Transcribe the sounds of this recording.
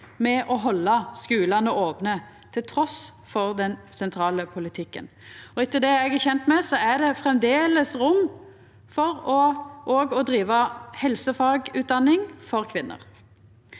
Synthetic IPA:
mɛʔɔɦɔlːɑskʉːlɑnəʔoːpnə | t̪ʰɪlt̪ʰɾɔs | fɔʁd̪ɛnsɛnt̪ʰɾɑːləpʰʊlɪt̪ʰɪkːə̰nɔɪt̪ːəd̪ɛɛɡæçɛnt̪mɛsɔæɖ̪ɛfɾɛmd̪eːləsɾʊmː | fɔʁɔʔoːɡɔd̪ɾiːʋɑhɛlsəfɑːɡʉːt̪̚d̪ɑnːɪŋfɔʁkʰʋɪnːə̰ʁ

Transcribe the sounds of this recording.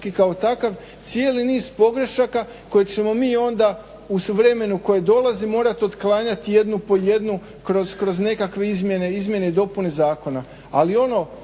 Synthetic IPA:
kikaot̪akaʋ | t̪sije̞ːliniːz̥po̞ɡɾe̞ʃaka | ko̞jet͡ʃe̞mo̞miːo̞nd̪a | usuʋɾe̞me̞nuko̞jed̪o̞lˠazimo̞ːɾat̪io̞d̪klaːɲat̪ije̞d̪nupo̞je̞d̪nu | kɾo̞zkɾo̞zne̞kakʋe̞izmʲje̞ne̞izmje̞ne̞id̪o̞pune̞zaːko̞na | alio̞no̞

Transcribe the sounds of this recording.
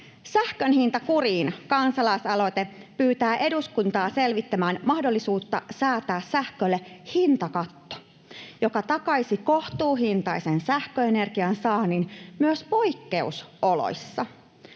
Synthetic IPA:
sæhkønɦint̪ɑkuriːnkɑnsɑlɑisɑlo̞jt̪epyːt̪æːʔe̞duskunt̪ɑːse̞lʋit̪ːæmæːnmɑhdo̞lːisuːt̪ːɑ̰sɑːt̪æːssæhkølːehint̪ɑkɑt̪ːo̥ | jo̞kɑt̪ɑkɑisiko̞ht̪uːɦint̪ɑisensæhkøene̞rɡ̥iɑnsɑːninmyøspo̞jkːeusolo̰jsːɑ

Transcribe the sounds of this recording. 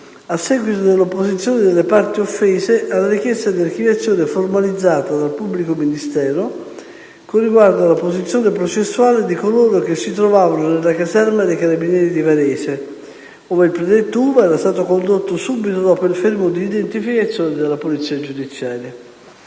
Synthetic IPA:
asːɛɡwit̪od̪elːopːozit̪sːjoːned̪elːepart̪iofːeːzeʔalːaɾik̟jɛst̪ad̪iark̟ivjat̪sːjoːneformalid̪zːaːt̪ad̪alpubːlikominist̪ɛːɾo | korːiɡward̪oalːapozit̪sjoːnepɾot͡ʃesːuaːled̪ikoloːɾok̟esːit̪ɾovaːvanonelːakazɛrmad̪ejkaɾabinjɛːɾid̪ivaɾɛːse | oːveilpɾed̪ɛt̪ːouːvaɛːɾast̪aːt̪okond̪ot̪ːosubit̪od̪ɔpoilfermod̪iːd̪ent̪ifikat̪sːjoːned̪elːapolit̪siːad͡ʒud̪it̪sjaːɾja

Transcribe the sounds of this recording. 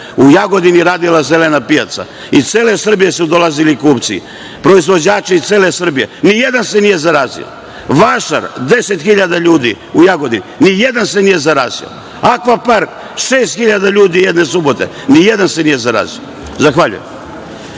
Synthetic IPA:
ujaɡo̞d̪iniɾaːd̪ilazelenapija̰t̪sa̰ | it̪seːle̞sr̩bije̞sud̪o̞lazilikuːpt̪sḭ | pɾo̞izʋo̞d͡ʑaːt͡ʃeit̪seːlesr̩bije̞̰nijed̪anse̞nije̞zaɾaːzḭo̰ | ʋaʃa̰ɾd̪e̞set̪xiʎad̪aʎuːd̪i | ujaɡo̞d̪ininijed̪anse̞nije̞zaɾaːzḭo̰ | akʋapaɾk | ʃeːst̪xiʎad̪aʎuːd̪ijed̪ne̞subo̞t̪e̞̰ | nijed̪anse̞nije̞zaɾa̰ːzḭo̰ | zaxʋaʎṵjḛm

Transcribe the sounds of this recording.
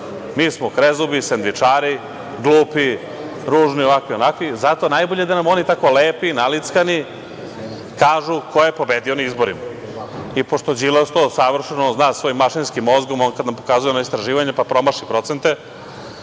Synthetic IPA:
miːsmokɾezubisend̪ʋit͡ʂaːɾi | ɡlˠuːpi | ɾuːʒnioʋakʋionakʋizat̪onajboʎed̪anamo̞nit̪ako̞leːpinalit̪skani | kaːʒukojepo̞be̞d̪io̞naizboɾima | ipoʃt̪od͡ʑilost̪osaʋr̩ʃenoznaːsʋo̞jimːaʃinskimːo̞zɡo̞monkad̪nampokazujenaist̪ɾaʒiːʋaɲepapɾo̞maʃipɾo̞t̪se̞nt̪e

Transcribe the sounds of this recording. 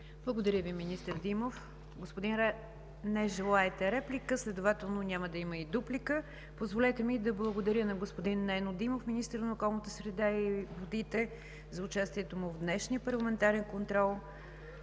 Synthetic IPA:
blˠəɡod̪ɐɾʲjəviminist̪əɾd̪imof | ɡospʊd̪inɾɛ | nɛʒɛlˠaɛt̪ɛɾɛplʲikəslɛd̪ʊvat̪ɛlˠnonʲaməd̪ɐiməid̪uplikə | pozvolʲɛt̪ɛmid̪ɐblˠəɡod̪ɐɾʲjənɐɡospod̪inːɛnod̪imofminist̪əɾnəokɔlˠnət̪əsɾɛd̪aivod̪it̪ɛ | zɐʊt͡ʃast̪iɛt̪omʊvd̪nɛʃnijəpəɾlˠɐmɛnt̪aɾɛnkont̪ɾɔlˠ

